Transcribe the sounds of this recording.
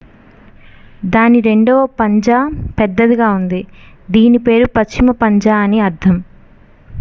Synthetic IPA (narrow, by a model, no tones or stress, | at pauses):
d̪aːniɾe̞ɳɖɐʋɐpɐɲd͡ʒaːpɛd̪ːɐd̪iɡaːund̪i | d̪iːnipe̞ːɾupɐt͡ʃt͡ʃːimɐpɐɲd͡ʒaːɐniɐɾt̪ʰɐm